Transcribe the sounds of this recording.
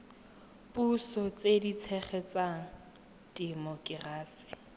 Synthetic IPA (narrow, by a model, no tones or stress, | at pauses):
pusɔt͡sedit͡sʰɛχɛt͡saŋ̩ | dimɔkʼɪraːsi̥